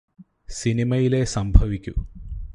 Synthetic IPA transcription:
sinimɐjile̞sɐmbʱɐʋikʲːṵ

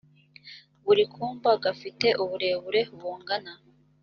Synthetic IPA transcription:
βuɾikʰuːmbaɡafite̞ʔuβuɾe̞ːβuɾe̞uβuːŋɡana

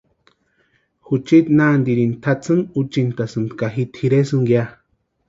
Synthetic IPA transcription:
hut͡ʃit̪nand̪iɾint̪ʰat͡sɨnut͡ʃint̪asɨnd̪kaɦit̪hiɾesɨŋɡja

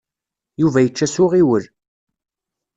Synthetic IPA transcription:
juvæjət͡ʃːæsʊʁiwəl

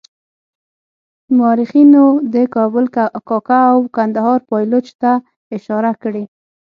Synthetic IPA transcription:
mɑɾixinod̪əkɑbʊlkɑkaːwkand̪ahɑɾpɑjlot͡ʃt̪a | ɪʃɑɾakɽe

